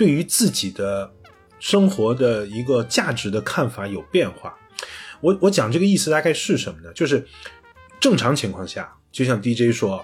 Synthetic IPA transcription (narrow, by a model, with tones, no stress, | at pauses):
t̪we˥˩ɪy˧˥t͡sɹ̩˥˩t͡ɕi˨˩d̪ə˦ | ʂɤ˥ŋxwɔ˧˥d̪ə˧i˧˥ɡə˧t͡ɕja˥˩ʈ͡ʂɻ̩˧˥d̪ə˧kʰa˥˩nfa˧˥jo˨˩ʊpjɛ˥˧nxwa̰˥˩ | wɔ˧˥wɔ˧˥t͡ɕjɑ˨˩ŋʈ͡ʂɤ˥˩ɡə˩i˥˩sɹ̩˩t̪a˥˧ka˥˧ɪʂɻ̩˥˩ʂə˧˥nmə˧˩nə˩t͡ɕjo˥˧ʊʂɻ̩˥˩ | ʈ͡ʂɤ˥˩ŋʈ͡ʂʰɑ˧˥ŋt͡ɕʰi˧˥ŋkʰwɑ˥˧ŋɕja̰˥˩ | t͡ɕjo˥˧ʊɕjɑ˥˧ŋt̪̬i˥ʈ͡ʂe˥ɪʂwɔ˥